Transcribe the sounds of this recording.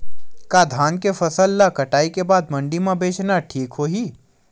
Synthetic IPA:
kaːd̪ʱaːnkefɐsəlːakɐʈaːikebaːd̪̚mɐ̃ɳɖimãbeːt͡ʃnaʈʰiːkɦoːɦiː

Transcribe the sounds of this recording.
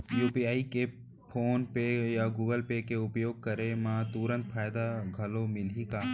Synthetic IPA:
juːpiaːike | pʰoːnpejaɡuːɡəlpekeʊpjoːɡ̚kɐɾemãt̪uɾə̃nt̪̚fʰaːjd̪aɡʱɐlomɪlikaː

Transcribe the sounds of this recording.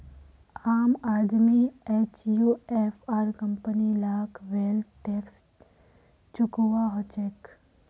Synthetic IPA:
aːmaːd̪mieːt͡ʃjuːeːfʰaːɾkɐ̃mpənilaːkʰʋeːlʈeːks | t͡ʃʊkwaɦot͡ʃek

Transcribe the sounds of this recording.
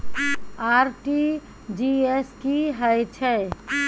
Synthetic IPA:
aːɾʈi | d͡ʒieskiɦəjt͡ʃʰɛ

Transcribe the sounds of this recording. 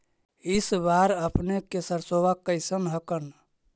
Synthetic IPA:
isbaɾəpnekesəɾsoʋakːəɪsənɦəkən

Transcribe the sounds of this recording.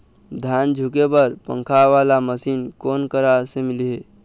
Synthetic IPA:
d̪ʱand͡ʒʱukebəɾpə̰̃ŋkʰaʋalaməsinkonkəɾasemiliɦe

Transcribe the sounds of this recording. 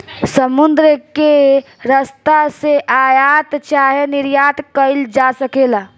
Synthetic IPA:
səmʊnd̪ɾəke | ɾəst̪aseʔaːjat̪t͡ʃaːɦenɪɾjaːt̪kəɪld͡ʒasəkeːlaː

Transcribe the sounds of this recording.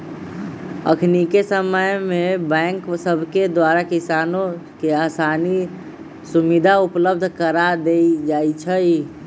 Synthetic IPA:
ə̰kʰnikesəməjmebɛ̃ŋksəbʱked̪waɾakisanokeaːsani | sumid̪ʱaupləb̚d̪ʱkəɾad̪eid͡ʒait͡ʃʰəj

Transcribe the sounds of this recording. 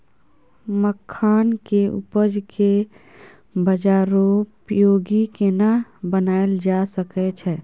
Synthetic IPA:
məkʰːaːnkeʊ̰pəd͡ʒkʰe | bəd͡ʒaːɾopjoːɡikenabənaːeld͡ʒaːsəkɛt͡ʃʰɛː

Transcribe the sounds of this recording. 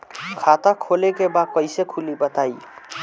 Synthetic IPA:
kʰat̪akʰolekebakʌjsekʰulibət̪aj

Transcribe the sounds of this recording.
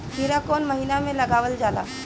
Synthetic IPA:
ɦiːɾakoːnmɐɦiːnamẽlɐɡaːʋəld͡ʒaːla̰ː

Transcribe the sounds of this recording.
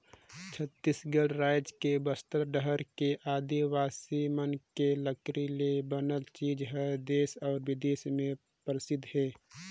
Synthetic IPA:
t͡ʃʰət̪ːisɡəɽɾaːjd͡ʒkebəst̪əɾɖəɦəɾkeʔaːd̪iʋaːsimənkeləkɾilebənəlt͡ʃiːd͡ʒɦɛd̪eːsɔːɾwɪd̪eːsmẽ | pɾɪsɪd̪ʱɦɛː

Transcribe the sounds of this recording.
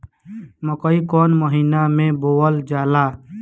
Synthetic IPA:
məkəikɔːnməɦiːnamẽboːəld͡ʒaːlaː

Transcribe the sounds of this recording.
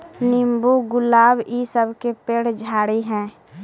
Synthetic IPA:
nɪmbuɡʊlaːbisəbkepeɽ̤d͡ʒʱaːɽiɦɛ̃ː

